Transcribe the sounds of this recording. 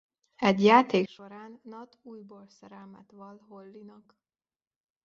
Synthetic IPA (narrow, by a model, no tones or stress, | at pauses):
ɛɟjaːt̪eːkʃo̞ɾaːnːɒt̪uːjbolsɛɾɛmɛt̪ʋɒlɦolːinɒk